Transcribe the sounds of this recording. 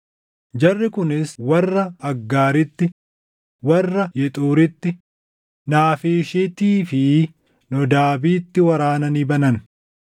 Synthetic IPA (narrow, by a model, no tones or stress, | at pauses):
d͡ʒɐrːɪkʊnɪswɐrːɐɐɡːaːɾɪt̪ːɪ | wɐrːɐjɛt̪ʼuːɾɪt̪ːɪ | naːfeːʃet̪iːfɪ | nɔd̪aːbiːt̪ːɪwɐɾaːnɐniːbɐnɐn